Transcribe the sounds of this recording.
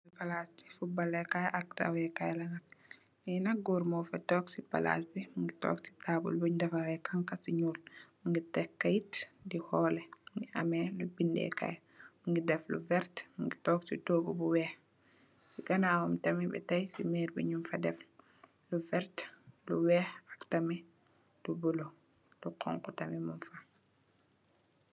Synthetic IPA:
ipalasbifubɐlːɛkajʔak̚ta̰wɛkajlanɐk̚ | ninɐk̚ɡoɾmɔfatɔːksipa̰la̰sbimuŋɡitɔ̰ksi̥taːbṵlbuɲdɐfaɾɛkaŋkasiɲuːlmuŋɡitɛkːajitdihɔlɛŋɡiʔa̰mɛlubindɛ̰ka̰j | muŋɡidɛflṵvɛɾtmuŋɡitɔːk̚sitoːbubuwɛːx | siɡɐnaːwumtɐmibɛ̰tɐjsimɛːɾbḭɲunfɐdɛf | luvɛɾtluwɛːxɐktɐmi | lubulo | luqʰɔ̰ŋkutɐmimunfɐ

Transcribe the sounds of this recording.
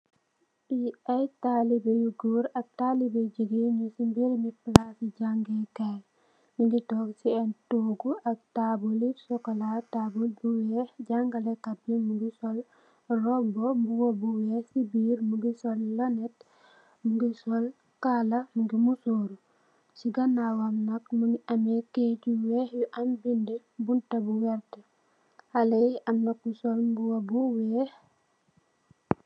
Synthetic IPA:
biajtalibejɡuɾɐk̚talibeɟiɡiɲusimbiɾmiplasiɟaŋɡɛkal | miŋɡitɔksiɛntuɡuʔɐk̚tabulisɔkɔlatabulbuwɛɟaŋɡalɛkabimuŋɡisɔl | rɔbɔmbuɡobuwɛsibiːɾmuɡisɔlːanɛt | muɡisɔl | kalɐmuɡimusoːɾu | siɡanawamnɐkmuɡiʔɐmekecuwɛhjuʔɐmbindɛ | buntɐbuwɛɾte | halejʔɐmnɐkusɔlmbuwobuwɛh

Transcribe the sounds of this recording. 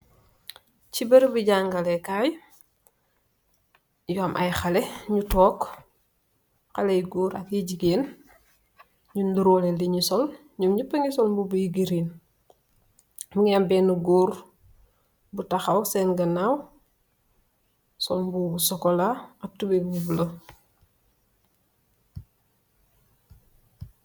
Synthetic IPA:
cibɐɾbiɟaŋɡɐlɛkaːj | juamʔɐ̰jxɐlɛɲutɔːk | xɐlɛjɡuːɾɐkjiɟiɡeːn | ɲunduɾɔlɛliɲisɔl | ɲumɲupəŋisɔlmbubujiɡiɾin | muŋambɛːnuɡoːɾ | butaxawsɛnɡɐnaw | sɔlbubusɔkɔlaɐk̚tubebubulɐ

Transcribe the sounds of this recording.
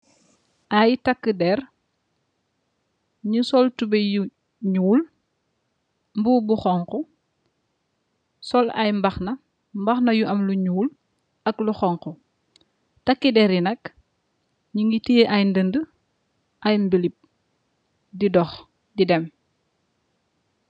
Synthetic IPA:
ʔajtɐkːədɛr | ɲusɔltubɛju | ɲuːl | mbuːbuxɔŋkɔ | sɔlɐ̰jmbɐxnɐ | mbɐxnɐjuʔɐmluɲuːl | ɐkluxɔŋkɔ | tɐkːidɛɾjinɐk | ɲuŋɡitijeʔɐjndəndə | ʔɐjmbəlip̚ | didɔx | didɛm

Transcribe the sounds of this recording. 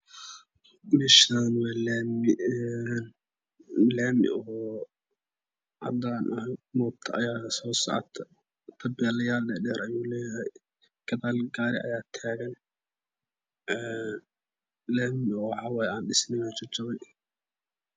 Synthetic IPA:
mɛʃaːnwɑːlːm | n | laːmɪ̰ʔɔɦɔː | ʕɑ̰d̪aːnʔɐɦmɔːt̪ʰɐʔɐjaːsɔːsɐ̰ʕ̰t̪ʰɐ | t̪ʰɐbɛːlɐjaːldɛɖɛːɾʔɐjuːlɛːjɐɦɛj | ɡ̥ɐðaːlɡaːɾɪ̰ʔɐ̰jaːt̪ʰaːɣɐn | ɛ | laːmɪɔːħɑwɑːjaːnɖɪsnɪjaːt͡ʃɪt͡ʃɐβɛj

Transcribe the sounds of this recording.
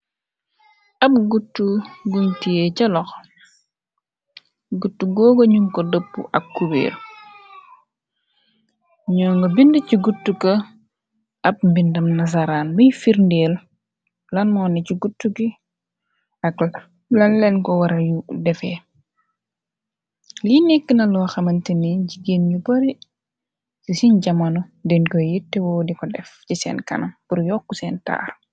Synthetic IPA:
ɐp̚ɡutːuɡuntijɛcɐlɔx | ɡutːuɡɔːɡoɲumkɔdəpːṵʔɐkːubḛːl | ɲɔːŋɡɐbindɐciɡutːukɐ | ɐp̚mbindɐmnɐs̬aɾaːnməjfiɾndɛːl | lɐnmɔːnɛcuɡutːuɡi | ɐk | lɐnlɛnkɔwɐɾɐjudɛfɛː | linekːinɐlɔːxɐmɐntiniɟiɡeːnɲubɐɾi | sisinɟɐmɐnɔdɛnkɔjitːɛwɔːdikɔdɛfcisɛ̰ːnkɐ̰nɐmpuɾjɔːkːusɛːnta̰ːr

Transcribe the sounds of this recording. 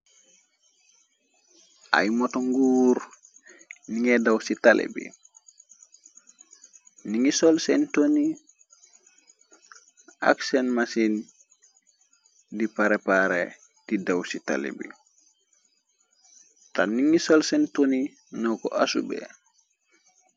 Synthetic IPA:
ʔa̰jmɔtoŋɡuːɾ | niŋɛdawsitalʔḛbḭ | niŋisɔlsɛntoni | a̰ksenmasin | dipaɾepaɾḛ | d̥idawsita̰lḛbḭ | taniŋisolsentoni | nɔko̰ʔasubḛ

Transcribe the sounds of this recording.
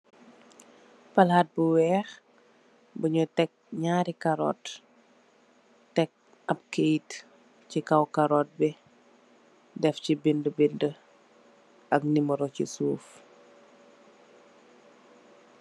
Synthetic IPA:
pɐlaːt̚buwɛːx | buɲutɛk̚ɲaːɾikaɾɔ̰ːt | tɛk̚ | ɐp̚kejt | cikɐwkɐɾɔːt̚bɛ | dɛfcibindəbində | ʔɐk̚niməɾɔcisuːf

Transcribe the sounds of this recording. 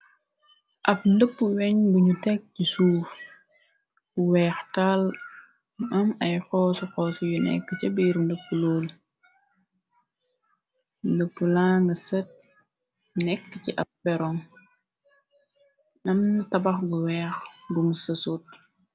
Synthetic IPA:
ʔɐp̚ndəpːəwɛɲbuɲutɛk̚cisuːf | buwɛːxtal | ɐmɐjxɔːsuxɔːsujunɛ̰kːəcɐbiɾndəpːuloːl | ndəpːulaːŋɡəsət̚ | nɛkːəciʔɐp̚bɛɾɔŋ | nɐmntɐbɐxɡuwɛːxbumsəsut̚

